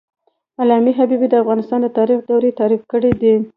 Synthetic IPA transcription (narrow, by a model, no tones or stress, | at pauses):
alɑmiɦabibid̪əafɣɑnɪst̪ɑnd̪ət̪ɑɾixd̪awɾet̪ɑɾifkəɽid̪i